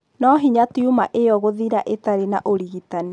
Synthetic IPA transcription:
nɔɦiɲatiumaʔejɔɣoðiɾaʔetaɾenaʔoɾiɣitani

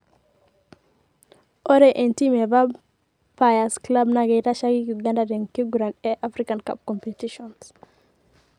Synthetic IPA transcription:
ɔɾɛʔentimevab | pajasklabnaɡeɾaʃaɡikɡandadenkiɡuɾanɛʔafɾikanka̰p̚kɔmpetiʃɔns

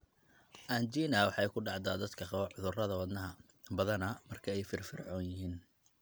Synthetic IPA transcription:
ʔaːnt͡ʃiːnɐwɑħɛjkʰʊɖɑʕd̪aːd̪ɐd̪kʰɐʕʊðʊrɐðɐwɐd̪nɐɦɐ | bɐðɐnɐmɐrkʰɐɛjfɪrfɪrʕɔːnjɪɦiːn

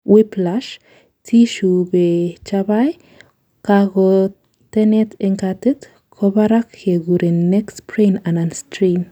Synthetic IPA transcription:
wiplaʃ | tʰiʃubet͡ʃaβaj | kaɣo | t̪enet̪eŋkat̪et̪ | kʰoβaɾakheɡuɾenːekspɾenananstɾim

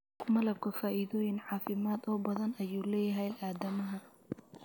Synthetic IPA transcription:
mɐlɐb̚kʰɐfaːʔiðɔːjɪnʕɑːfɪmaːd̪ɔːbɐðɐnɐjuːlɛːjɐɦɛjʔaːd̪ɐmɐɦɐ

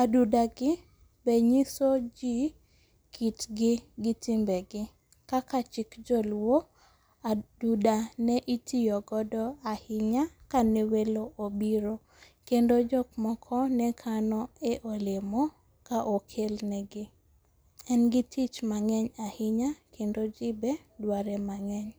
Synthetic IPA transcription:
adudaɡɪ | beɲisod͡ʒi | kʰitɡɪɡɪtimbɛɡɪ | kakat͡ʃɪkd͡ʒolwo | adudanɛʔitijɔɡɔdɔahɪɲakanɛweloʔobiɾo | kendod͡ʒɔkmɔkʰɔnɛkʰanɔeʔolɪmɔ | kaʔokʰelnɛɡɪ | ɛnɡɪtʰit͡ʃmaŋɛɲahɪɲakʰendod͡ʒibɛ | dwaɾɛmaŋɛɲ

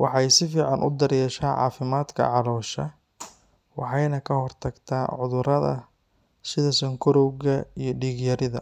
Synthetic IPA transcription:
wɑħɑjsɪfiːʕɑnʔʊ̰d̪ɐɾjɛːʃaːʕɑ̰ːfɪmaːd̪kʰɐ̰ʕɑlɔːʃɐ | wɑħɑjnɐkʰɐhɔrt̪ʰɐɡt̪ʰaːʕʊðʊɾɐðɐ̰ | sɪðɐsɔŋkʰʊɾɔwɣɐijɞɖiːɣjɐɾɪðɐ̰

